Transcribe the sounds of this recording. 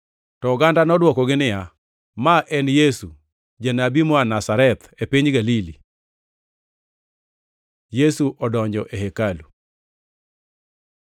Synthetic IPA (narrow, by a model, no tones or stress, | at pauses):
tɔɡandanɔdwɔkɔɡɪnɪja | maʔɛnjesu | d͡ʒɛnabimɔanasaɾɛt̪ | epiɲɡalili | jesuʔɔdɔɲd͡ʒɔʔeɦekalu